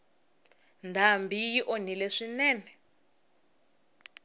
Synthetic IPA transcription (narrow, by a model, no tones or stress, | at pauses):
ndʱambijiʔonileʂinɛːnɛ